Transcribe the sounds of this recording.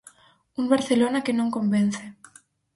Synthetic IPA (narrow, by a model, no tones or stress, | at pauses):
uŋbaɾθelonakenõŋkomben̟θe